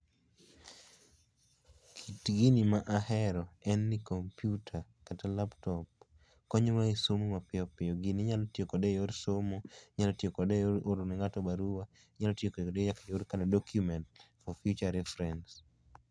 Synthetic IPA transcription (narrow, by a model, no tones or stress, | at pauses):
kʰitɡinimaʔahɛɾɔɛnːikompjutʰakatalaptɔp̚ | kɔɲwaesomomapɪɔpɪɔɡiniɲalɔtjokɔdɛjoɾsomoɲalɔtjekɔdɛjoɾoɾnɪŋatɔbaɾuwa | ɲalɔtjekɔɔdɛjakajoɾkanadɔkjumɛntfɔfjut͡ʃaɾɛfɾɛns